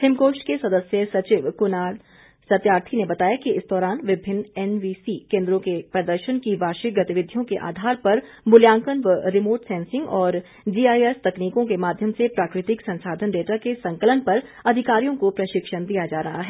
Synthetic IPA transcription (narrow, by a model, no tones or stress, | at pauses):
hɪmkoːʃʈkesɐd̪əsjəsɐt͡ʃɪʋkʊna | sɐt̪jaːɾt̪ʰinebɐt̪aːjakiɪsd̪ɔːɾaːnʋɪbʱɪnːɛnʋiːsikẽːnd̪ɾõkepɾɐd̪əɾʃənkiʋaːʃɪɡɐt̪ɪʋɪd̪ʱːijõkeʔa̰ːd̪ʱaːɾpɐɾ | bʊljãːŋkənʋəɾɪmoːɾʈsɛ̃ːnsɪ̃ŋɡɔːɾ | d͡ʒiːaːjɛst̪ɐkniːkõkemaːd̪ʱjəmsepɾaːkɾɪt̪ɪksɐ̃nsaːd̪ʱənɖeːʈakesɐ̃ŋkələnpɐɾɐd̪ʱɪkaːɾijõkopɾɐʃɪkʃənd̪ijad͡ʒaːɾɐɦaɦɛː